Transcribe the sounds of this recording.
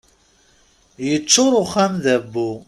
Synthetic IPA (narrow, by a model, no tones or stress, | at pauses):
jət͡ʃːʊɾˤʊχæmðæbːu